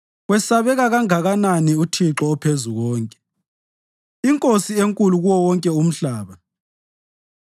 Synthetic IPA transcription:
wɛsaβɛɣaɣaŋaɣananiutʰiǁɔpʰezuɣɔːŋkʼɛ̥ | iŋkʼosieŋkʼuluɣuwɔwɔŋkʼɛum̩ɬaːβa

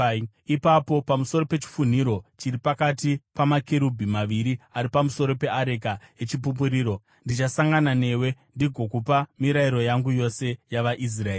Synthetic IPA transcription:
ipapo̞pamuso̞ɾo̞pe̞t͡ʃi̥fun̤iɾo̞t͡ʃiɾipakatipamakeɾubʱimaʋiɾiaɾipamuso̞ɾo̞pe̞aɾe̞kae̞t͡ʃip̬up̬uɾiːɾo̞ | ndit͡ʃasaŋɡanane̞we̞ndiɡʱo̞kupamiɾaiɾo̞jaŋɡujo̞se̞jaʋaʔis̬raeː

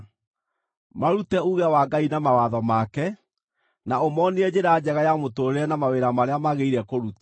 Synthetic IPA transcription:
maɾutɛuɣɛawaɡainamawaðɔmakɛ | naomɔniɛd͡ʑeɾad͡ʑɛɣajamotoɾeɛnamaweɾamaɾeamaɣeiɾɛkoɾut

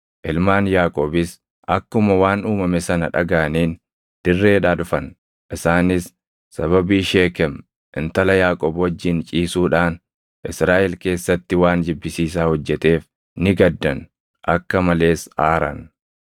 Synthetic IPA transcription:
ʔɪlmaːnjaːkʼoːbɪs | ʔɐkːʊmɐwaːnuːmɐmɛsɐnɐᶑɐ̰ɡaɐniːn | d̪̥ɪrːe̞ːᶑaːᶑʊfɐn | ʔɪsaːnɪs | sɐβɐbiːʃeːkɛm | ʔɪnt̪ɐlɐjaːkʼoːbwɔd͡ʒːɪnt͡ʃʼiːsuːᶑaːn | ʔɪsɾaːʔɛlke̞ːsːɐt̪ːɪwaːnd͡ʒɪbːɪsiːs̬aːhɔd͡ʒːɛt̪e̞ːf | nɪɡɐd̪ːɐn | ʔɐkːɐmɐle̞ːsaːɾɐ̰n

